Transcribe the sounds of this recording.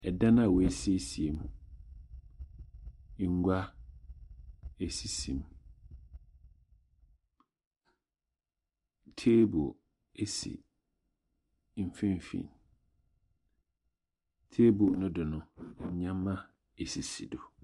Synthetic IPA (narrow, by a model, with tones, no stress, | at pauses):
ɛ˨dã˦nã˦˨wɔ˨e˨si˦e˦si˨e˨m˨˦˨ | ŋ̩˦ɡʷa˦ | e˨si˨sḭ̃˨m˨ | tʰeː˦bo̰˨ | e˦sḭ˨˦ | m̩˦fĩ˦m˨fḭ̃˨n˨ | tʰe˦bo˨nʊ̃˦dʊ˨nʊ̃˨˦ɲã˦mːã˦ | e˨si˨sḭ˨do˨